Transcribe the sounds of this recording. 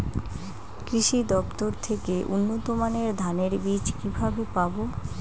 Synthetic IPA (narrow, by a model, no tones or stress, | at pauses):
kɾiʃid̪ɔbt̪oɾt̪ʰekeʔunːot̪omaneɾd̪ʱaneɾbid͡ʑkibʱabepabo